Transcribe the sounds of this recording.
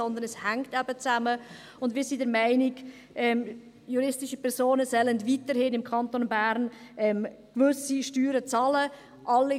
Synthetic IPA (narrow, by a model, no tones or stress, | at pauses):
ɔnd̪ənɛshæŋktɛb̥ət͡sæmə | ʊndvmiːɾsidɛɾmæɪnɪɡ | ʔɛm | juɾɪstɪʃəpʰɛɾsoːnəsɛləndvitəɾhɪnɪmkʰɑntonbæɾnɛmkʋʏsiʃtyːɾət͡sɑlə | ʔɑlːi